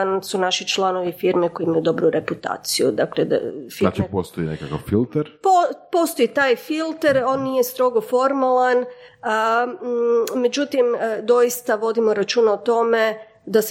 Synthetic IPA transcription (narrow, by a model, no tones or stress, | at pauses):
nsunaʃit͡ʃlˠano̞ʋifiɾmeko̞jiimajud̪o̞bɾuɾeput̪a̰ːt̪sijṵd̪akled̪a̰fiat͡ʃipost̪oinḛkakaʋfilˠt̪eɾpopo̞st̪o̞it̪aːjfilˠt̪eɾo̞ːnːijest̪ɾo̞ɡofo̞ɾmalˠan | me̞d͡ʒut̪imd̪o̞jist̪aʋo̞d̪imo̞ɾat͡ʃuːnaot̪o̞me̞ | d̪as